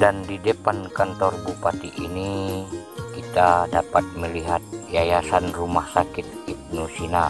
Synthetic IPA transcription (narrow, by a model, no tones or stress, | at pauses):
dandidepankant̪ɔrbupat̪iʔini | kit̪adapat̪̚məliɦat̪̚jajasanrumahsakit̪̚ip̚nusina